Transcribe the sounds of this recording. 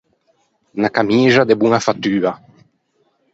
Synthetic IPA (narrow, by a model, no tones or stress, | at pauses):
nakamizad̪ebuŋafat̪yːa